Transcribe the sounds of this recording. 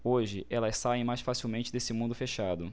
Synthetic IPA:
oʒɪʔɛlɐssaẽj̃majsfasiwmẽnt͡ʃɪd̪esɪmũnd̪ʊfeʃad̪ʊ

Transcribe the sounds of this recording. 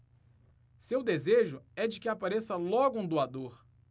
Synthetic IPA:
sewd̪ezeʒʊɛd͡ʒɪkɪapaɾesɐlɔɡʊũd̪uad̪oɾ

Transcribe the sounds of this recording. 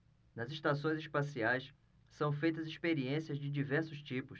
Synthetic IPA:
nɐziʃt̪asõj̃ziʃpasiajs | sɐ̃w̃fejt̪ɐziʃpeɾiẽsiɐzd͡ʒɪd͡ʒivɛɾsʊʃt͡ʃipʊs

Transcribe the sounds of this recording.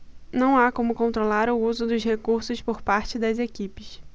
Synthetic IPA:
nɐ̃w̃akõmʊkõnt̪ɾolaɾʊuzʊd̪ʊzhekuɾsʊspoɾpaɾt͡ʃɪd̪ɐzekipɪs

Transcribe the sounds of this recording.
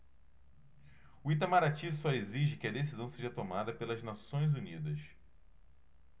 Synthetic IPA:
uit̪amaɾat͡ʃisɔeziʒɪkɪɐd̪esizɐ̃w̃seʒɐt̪omad̪ɐpelɐznasõj̃zunid̪ɐs

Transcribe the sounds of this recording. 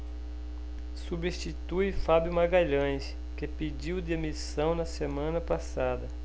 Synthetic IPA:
subist͡ʃit̪ujfabjumaɡajʎɐ̃js | kɪped͡ʒiwd̪ɪemisɐ̃w̃nɐsemɐ̃nɐpasad̪ɐ

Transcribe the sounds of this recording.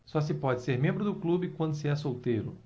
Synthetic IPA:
sɔs̬ɪpɔd͡ʒɪseɾmẽmbɾʊd̪ʊklubɪkwɐ̃nd̪ʊsɪɛsowt̪ejɾʊ

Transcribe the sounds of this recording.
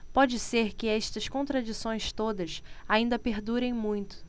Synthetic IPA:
pɔd͡ʒɪseɾkɪɛʃt̪ɐskõnt̪ɾad͡ʒisõj̃st̪od̪ɐsaĩnd̪ɐpeɾd̪uɾẽj̃mũj̃t̪ʊ̥

